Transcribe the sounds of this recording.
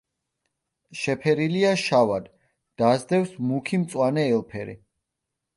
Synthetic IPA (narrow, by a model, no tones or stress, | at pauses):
ʃɛpʰɛɾiliaʃavad̪ | d̪̥azd̪ɛfsmukʰimt̪sʼwanɛːlˠpʰɛɾḭ